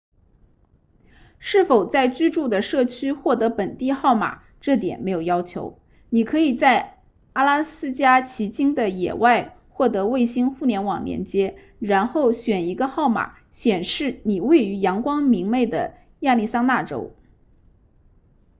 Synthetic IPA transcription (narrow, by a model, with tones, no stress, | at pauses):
ʂɻ̩˥˩fo˨˩ʊt͡sa˥˩ɪt͡ɕy˥ʈ͡ʂu˥˩d̪ə˩ʂɤ˥˩t͡ɕʰy˥xwɔ˥˩t̪ɤ˧˥pə˨˩nt̪i˥˧xɑ˥˩ʊma̰˨˩ | ʈ͡ʂɤ˥˩t̪jɛ̰˨˩nme˧˥ɪjo˨˩ʊjɑ˥ʊt͡ɕʰjo˧˥ʊ | ni˨˩kʰɤ˧˥i˨˩t͡sa˥˩ɪ | a˥la˥sɹ̩˥t͡ɕja˥t͡ɕʰi˧˥t͡ɕi˥ŋd̪ə˨jɛ̰˨˩wa˥˧ɪ | xwɔ˥˩t̪ɤ˧˥we˥˩ɪɕi˥nxu˥˩njɛ˧˥nwɑ˨˩ŋljɛ̰˧˥nt͡ɕjɛ˥ | ɻa˧˥nxo˥˩ʊɕɥɛ˨˩ni˧˥ɡə˧xɑ˥˩ʊma̰˨˩˦ | ɕjɛ˨˩nʂɻ̩˥˩ni˨˩we˥˩ɪy˧˥jɑ˧˥ŋkwɑ˥ŋmi˧˥ŋme˥˩ɪd̪ə̰˩ | ja˥˧li˥˩sa˥ŋna˥˩ʈ͡ʂo̰˥ʊ